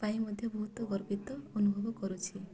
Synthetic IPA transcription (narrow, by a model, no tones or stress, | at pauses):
paĩmɔd̪ʱjɔbɔɦut̪wɔɡɔɾpit̪ɔɔnubʱɔbɔkɔɾut͡ʃʰi